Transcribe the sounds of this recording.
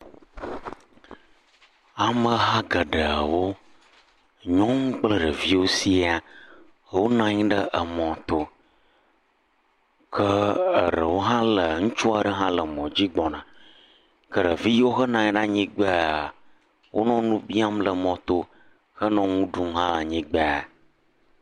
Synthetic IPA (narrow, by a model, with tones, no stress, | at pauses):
a˨mə̃˨ɦã˦ɡə˨ɖə˨ə˨wo˦ | ɲɔ̃˦ŋũ˦k͡plə˦ɖə˨vi˦wo˦si˦a˨ | wo˦nã˦ɲĩ˦ɖə˦ʔə˨mɔ̃˨t̪o˦ | kʰə˦ə˨ɖə̰˨wo˦ɦã˦lə˨ŋũ˦t͡ʃu˦a˨ɖə˦ɦã˦lə˨mɔ̃˨d͡ʑi˦ɡ͡bɔ˨nã˨ | kə˦˨ɖə˨vi˦wo˦xə˦nã˨ɲĩ˦ɖa˦ɲĩ˦ɡ͡bə˦a˨ | wʔo̰˦nɔ̃˦nũ˦bi˦a˦mlə˨mɔ̃˨t̪o˦ | xə˦nɔ̃˦ŋũ˦ɖu˨ŋ˦ɦã˦la˨ɲĩ˦ɡ͡be˦a˨